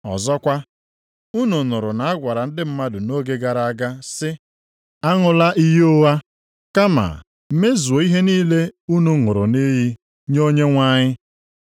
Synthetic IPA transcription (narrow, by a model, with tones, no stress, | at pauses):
ɔ̰˨zɔ˦kʷa˦ | u˦nu˨nʊ˨ɾʊ˨na˨a˦ɡʷa˨ɾa˨n̩˦dɪ˦m̩˦ma˦dʊ˨no˦ɡe˦ɡa˨ɾa˨a˦ɡa˦sɪ˦ | a˦ŋʊ˨la˦ʔi˦ɦo˦wa˦ | ka˦ma̰˨ | m̩˦me˦zu˨o˨i˦ɦe˦niː˦le˦u˦nu˨ŋʊ˨ɾʊ̰˨ni˦ɦi˦ | ɲo˦ɲe˦ŋʷa˦ɲɪ˦